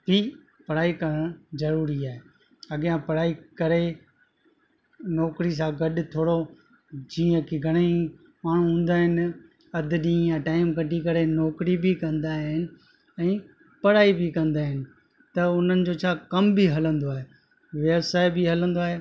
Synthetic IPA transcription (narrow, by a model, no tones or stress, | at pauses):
biː | pɐɽaːikɐɾəɽ̃zɐɾuːɾiaːɦe | ɐɠijãpɐɽaːikɐɾe | nɔːkɾis̬ãɡɐɗʊt̪ʰoːɽo | d͡ʑĩːə̃kʰeɡʱɐɽ̃e | maːɳ̤ũɦũːn̆d̪aːɦɪnɪ | ɐd̪ʱɪɗĩːjãʈaːɪmkɐʈikɐɾenɔːkɾibikɐ̃nd̪aːɦɪnɪ̆ | ɛ̃ː | pɐɽaːibʱikɐ̃nd̪aːɦɪnɪ̆ | t̪ɐʊn̤ənɪ̆d͡ʑoːt͡ɕʰaːkɐmbiɦɐlə̃nd̪oaːɦe | ʋeːbsaːɪbɪɦɐlə̃nd̪oaːɦeː